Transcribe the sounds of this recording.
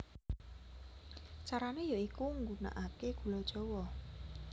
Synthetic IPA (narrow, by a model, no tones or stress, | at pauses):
t͡ʃaɾanejoikuŋɡuna̰ʔakeɡ̥ṳlɔd̥ʒ̥ɔ̤wɔ